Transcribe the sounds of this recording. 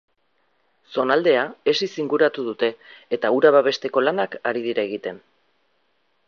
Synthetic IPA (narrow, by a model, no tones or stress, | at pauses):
so̞nald̪e̞ae̞sisiŋɡuɾat̪uð̞ut̪e̞ːt̪auɾaβaβ̞e̞st̪e̞ko̞lanakaɾiðiɾaeɣ̞it̪e̞n